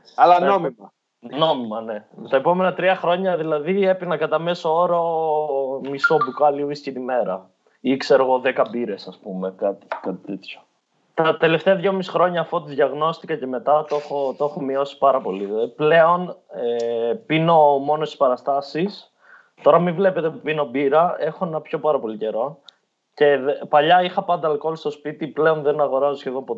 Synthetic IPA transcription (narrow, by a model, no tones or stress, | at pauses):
ɐlɐomimɐ | no̞mimɐne̞t̪ɐepo̞me̞nɐt̪ɾiɐxɾo̞ɲɐðilɐðie̞pinɐkɐt̪ɐme̞sooɾo | misobukɐliuiscinime̞ɾɐ | ikse̞ɾoɣo̞ðekɐbiɾe̞sɐspumekɐt̪i̥kɐt̪i̥t̪et̪ço̥ | t̪ɐt̪e̞le̞ft̪eɐðʝo̞misi̥xɾo̞ɲɐːfot̪iðʝɐɣno̞st̪ikɐce̞me̞t̪ɐt̪oxot̪oexomio̞si̥pɐɾɐpo̞liple̞o̞nepino̞mo̞nost̪i̥spɐɾɐst̪ɐsis | t̪o̞ɾɐmivle̞pe̞t̪epino̞biɾɐe̞xoenɐpço̞pɐɾɐpo̞lice̞ɾo̞ | ce̞pɐʎɐixɐpɐnd̪ɐlkolost̪o̞spit̪iple̞o̞nðenɐɣo̞ɾɐsosçeðo̞mpot̪